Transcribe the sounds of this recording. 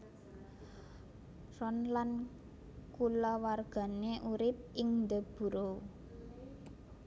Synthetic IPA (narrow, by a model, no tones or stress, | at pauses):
rɔnlan | kulɔwarɡ̥a̤neʔuɾɪp̚ɪŋnd̪əb̥ṳɾo